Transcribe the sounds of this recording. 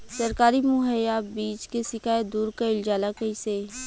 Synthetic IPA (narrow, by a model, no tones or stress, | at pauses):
sɐɾkaːɾimʊɦəjːaːbiːt͡ʃkesɪkaːjed̪uːɾkaɪld͡ʒaːlakɐiseː